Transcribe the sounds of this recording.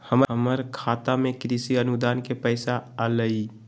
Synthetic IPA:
həmɦəməɾkʰat̪amekɾisiənud̪aːnkepəɪsaːləi

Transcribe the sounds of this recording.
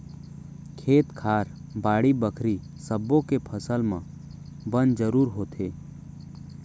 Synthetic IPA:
kʰeːt̪kʰaːɾbaːɽibəkʰɾi | səbõkepʰəsəlmã̰ | bənd͡ʒəɾuːɾɦoːt̪eː

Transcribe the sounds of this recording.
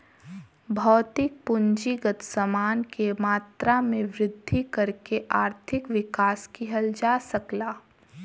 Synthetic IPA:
bʱɔːt̪ɪk̚pʊɲd͡ʒiɡət̪səmaːnkemaːt̪ɾamẽʋɾɪd̪ʱːikɐɾkeʔaːɾt̪ʰɪkʋɪkaːskiɦɐld͡ʒaːsɐklaː

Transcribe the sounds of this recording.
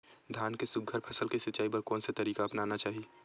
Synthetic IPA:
d̪ʱjaːnkesʊɡ̚ɡʱəɾpʰɐsəlkisɐtːt͡ʃaːipɐɾkɔːnsat̪ɐɾiːkaɐpnaːnat͡ʃaːɦie

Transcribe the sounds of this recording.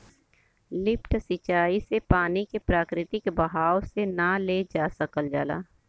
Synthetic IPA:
lɪpʈsɪt͡ʃaːisepaːnikepɾaːkɾɪt̪ɪkbəɦaːwsenaled͡ʒaːsəkəld͡ʒaːla̰ː

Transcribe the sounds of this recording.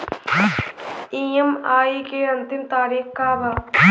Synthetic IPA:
ĩːəmaːikeɐ̃nt̪ɪmt̪aːɾiːxkaːbaː

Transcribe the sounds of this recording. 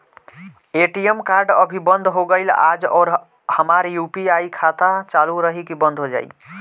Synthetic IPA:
eʈiemkaɾɖəbʱibənd̪ʱɦoɡəɪla̰d͡ʒɔ̰ːɾ | həmaɾjupiajkʰat̪at͡ʃaluɾəɦikibənd̪ʱɦod͡ʒa̰j̰

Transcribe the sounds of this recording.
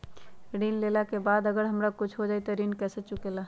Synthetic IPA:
ɾinlelakebaːd̪əɡəɾɦəmɾakʊt͡ʃʰɦod͡ʒaːit̪oɾinkɛːset͡ʃʊkela

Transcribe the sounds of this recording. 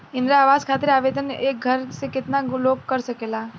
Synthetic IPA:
ɪ̃nd̪ɾaaːʋaːzkʰaːt̪ɪɾaːʋeːd̪ʱəneːk̚ɡʱɐɾsekɪt̪naɡʊloːkkɐɾsɐkeːlaː

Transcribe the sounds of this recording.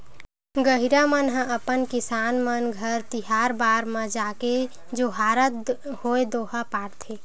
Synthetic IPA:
ɡəɦiɾamənɦə̃əpənkɪsaːnmənɡʱəɾt̪ɪɦaːɾbaːɾmə̃d͡ʒaːke | d͡ʒoːɦaːɾət̪̚hoːed̪oːɦapaːɽt̪ʰeː

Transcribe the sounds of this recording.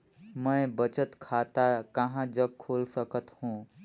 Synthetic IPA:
mə̃j̃bət͡ʃət̪kʰaːt̪akəɦãd͡ʒəɡ̚kʰoːlsəkət̪hũː

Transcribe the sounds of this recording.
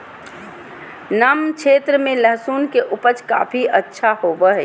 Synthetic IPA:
nəmt͡ʃʰeːt̪ɾəmẽləɦsuːnkeʔʊpət͡ʃka̰ːpʰiʔətːʃʰahoːʋəɦɛ

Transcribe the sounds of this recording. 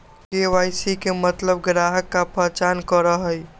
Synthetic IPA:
keʋajsikemət̪ləbɡɾaɦəkːapəɦt͡ʃankəɾəɦəj

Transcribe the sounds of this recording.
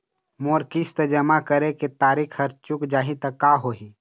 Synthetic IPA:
moːɾkist̪əd͡ʒəmakəɾeket̪aːɾikʰhəɾt͡ʃʊkd͡ʒaːɦĩt̪ɐkːaɦoːɦi

